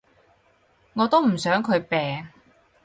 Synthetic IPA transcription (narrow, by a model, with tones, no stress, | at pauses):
ŋɔː˨˧t̪o˥wm̩˨˩sœː˨˥ŋkʰɵ˨˧ɥpɛː˨ŋ